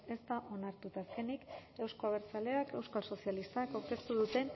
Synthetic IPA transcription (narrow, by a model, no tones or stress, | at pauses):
e̞st̪aʔo̞naɾt̪ut̪aːske̞nike̞wsko̞aβ̞e̞ɾt͡sale̞ake̞wskalso̞sialist̪akowke̞ɾt̪uð̞ut̪e̞n